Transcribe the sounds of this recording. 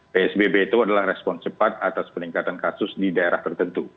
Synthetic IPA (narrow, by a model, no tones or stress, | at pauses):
peɛsbebet̪uadalahrɛspɔnt͡ʃəpat̪̚at̪aspəniŋkat̪ankasʊsdidaeɾaht̪ərt̪ənt̪u